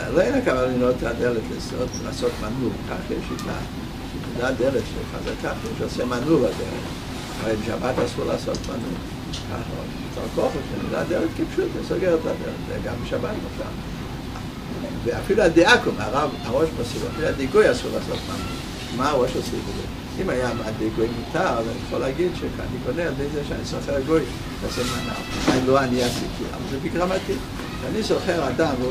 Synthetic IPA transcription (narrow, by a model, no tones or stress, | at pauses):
loenakavalinot̪adeletleso̰tla̰ːsotmanulka̰χjɛʃit̪a̰ | ʃemudad̪eletʃeχa̰za̰kaχɛʃosɛmanuladelḛχ | aʁebɪʃa̰bat̪asuʁla̰sot̪ma̰nṵl | ka̰χo̰ | t̪a̰lkoχotkenuda̰d̪ɛlɛtkipʃutisoɡeʁətadḛletzɛ̰ɡambɪʃabat̪moʃa̰ | veafiluad̪iakomaʁavaʁoʃmosila̰filuad̪eɡojasuʁlaso̰t̪ma̰n | maːʁoʃmosḭvzo̰ | imajamadeɡojmutaʁazaniaχolɛːɡid̪ʃeka̰nikoneadezeʃeanisoχeʁɡoj | lasomana̰vanloaniasikʰia̰valzebikɡʁamat̪i | ʃanisoχeʁadam